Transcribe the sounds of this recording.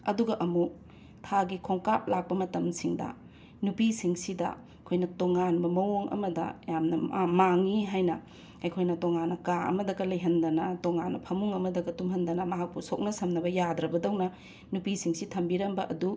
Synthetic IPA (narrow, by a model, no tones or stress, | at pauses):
ɐ̰duɡɐʔɐmu | tʰaɡikʰoŋkap̚lak̚pɐmɐtɐmsiŋdɐ̰ | nupisiŋsidɐ̰ | kʰojnɐtoŋanbɐmɐwoŋɐ̰mɐdɐ̰jamnɐmaŋiɦajnɐ | ɐjkʰojnɐtoŋanːɐkaʔɐ̰mɐdɐɡɐlɐjɦɐndɐnɐtoŋanːɐpʰɐmuŋɐmɐdɐɡɐtumɦɐndɐnɐmɐɦak̚pusok̚nɐsɐmnɐbɐjadɾɐbɐdɐwnɐ | nupisiŋsitʰɐmbiɾɐmbɐʔɐdu